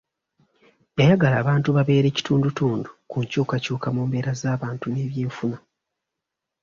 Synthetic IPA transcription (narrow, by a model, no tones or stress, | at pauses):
ajaɡalaːβaːntuβaβe̞ːɾe̞ːci̥tʰuːndutuːndukuɲcuːkacuːkamuːmbe̞ːɾazaːβaːntune̞ːβje̞ːɱfuna